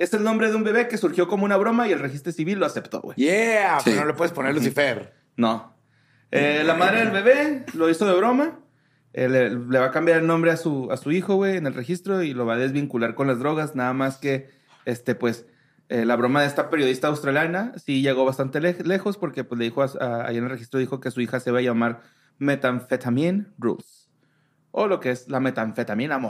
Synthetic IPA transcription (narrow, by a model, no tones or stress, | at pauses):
e̞se̞lno̞mbɾe̞ðeumbe̞βe̞ke̞suɾxjo̞ko̞moũnaβ̞ɾo̞maielrexist̪ɾo̞siβilːo̞ase̞pt̪o̰ɣwejeasḭnolepweðesponeɾlusifeɾ | no | elamaðɾeðelβe̞βe̞lo̞iso̞ðe̞βɾo̞ma | elele̞βakambjaɾelnõ̞mbɾe̞asuasuixo̞ɣwe̞ːnelre̞xist̪ɾo̞ilo̞βaðe̞zβiŋkulaɾko̞nlazðɾo̞ɣaznaðamaske̞ | est̪e̞pwe̞s | elaβɾo̞maðeest̪ape̞ɾjoðist̪aːwst̪ɾaljanasiʝe̞ɣo̞βast̪ant̪eele̞xo̞spo̞ɾke̞pwezleðixo̞asa̰jenelrexist̪ɾoðixo̞ke̞suixase̞βaaʝamaɾ | me̞t̪aɱfet̪amjenrṵls | o̞lo̞ke̞e̞slame̞t̪aɱfet̪amjenamo